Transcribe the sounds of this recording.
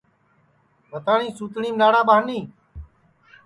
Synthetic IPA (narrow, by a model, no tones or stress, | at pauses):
ʋət̪aːɳĩːsuːt̪ɳiːmnaːɽaːɓaːniː